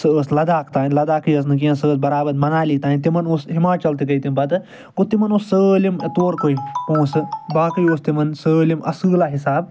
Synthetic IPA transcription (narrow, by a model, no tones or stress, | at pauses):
sɨəːslɐd̪aːkʰt̪aːnlɐd̪aːkɨjɐs̬nɨk̬iɐ̃səːt̪̚bɐɾaːbɐd̪mɐnaːliːt̪aːnt̪imɐnoːsɦimaːt͡ʃɐlt̪ik̬ɐit̪imbɐt̪ɨ | ɡot̪imɐnoːsːəːlimt̪oːɾkoiõːsɨbaːkɨjoːst̪imɐnsəːlimʔɐ̰sɨːlaːɦisaːb